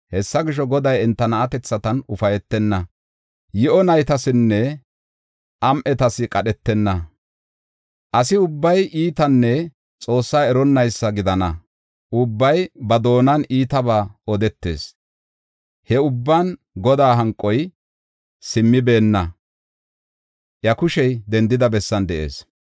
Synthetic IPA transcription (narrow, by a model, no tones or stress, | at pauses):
hɛsːɐɡɪʃ̬ɔɡɔd̪ɐjɛnt̪ːɐnɐʔːt̪ɛt͡sːɐt̪ɐnʊfɐjɛt̪ːɛnːɐ | jɪʔɔnɐjt̪ɐsɪnːɛ | ʔɐmʔɛt̪ɐsɪkʼɐɗɛt̪ːɛnːɐ | ʔɐsɪʊbːɐjʔiːt̪ɐnːɛ | t͡sʼo̞ːsːaːɛɾɔnːɐjsːɐɡɪd̪ɐnɐ | ʔʊbːɐjbɐd̪o̞ːnɐniːt̪ɐbaːɔd̪ɛt̪ːe̞̰ːs | hɛʊbːɐn | ɡɔd̪aːɦɐŋkʼːɔj | sɪmːɪbe̞ːnːɐ | ʔjɐkʊʃɛjd̪ɛnd̪ɪd̪ɐbɛsːɐnd̪ɛʔḛːs